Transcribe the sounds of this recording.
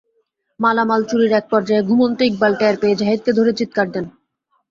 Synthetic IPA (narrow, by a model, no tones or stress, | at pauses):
malamalt͡ɕuɾiɾɛk̚pɔɾd͡ʑaeɡʱumont̪oik̚balʈɛɾpeed͡ʑaɦid̪̚ked̪ʱoɾet͡ɕit̪̚kaɾd̪ɛn